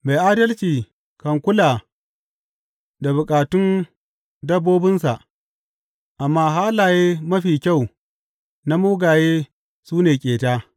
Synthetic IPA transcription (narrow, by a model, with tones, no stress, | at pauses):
ma˨jʔaː˦dɐ˦lt͡ʃiː˨ | kɐ˨ŋkʷʊ˦laː˨ | da˨bʊ˨kʼaː˨tʊ˦n | dɐ˦bːoː˦bɪ˦nsa˨ʔ | ʔa˨mːaː˦ɦaː˦laː˨jeː˦mɐ˦ɸiː˨kʲa˦˨w | na˦muː˦ɡaː˨jeː˦ | suː˦neː˨kʲʼeː˨taː˦